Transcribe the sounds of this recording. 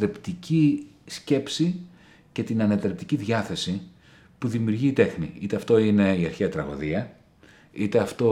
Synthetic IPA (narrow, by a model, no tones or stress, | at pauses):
ɾept̪ici | sce̞psi | ce̞t̪inɐnɐt̪ɾep̚t̪iciðʝɐθe̞si | puðimiuɾʝiːt̪e̞xnḭit̪e̞ɐft̪o̞ine̞iɐɾçiɐt̪ɾɐɣo̞̰ðiɐ | it̪eɐft̪o̞